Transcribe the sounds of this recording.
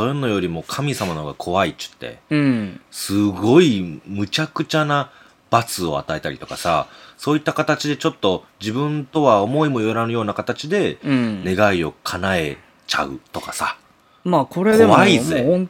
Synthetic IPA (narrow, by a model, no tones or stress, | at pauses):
soɾenːo̞jo̞ɾʲimo̞kʰamʲisamanoɡakʰo̞βait͡ɕɨ̥t̪ːe̞̰ | sɨɡo̞imɯ̟t͡ɕakɯ̟t͡ɕana | b̥at͡sɨo̞̰a̰t̪ae̞t̪aɾʲit̪o̞kasa̰so̞ːit̪ːakat̪at͡ɕid̪e̞t͡ɕo̞t̪ːo̞d͡ʑibɯ̟̃nt̪o̞βao̞mo̞imo̞joɾanɯjo̞ːnakat̪at͡ɕid̪ẽ̞ne̞ɡaio̞kʰanae̞ | t͡ɕa̰ɯ̟̰t̪o̞kasa | makoɾeβaize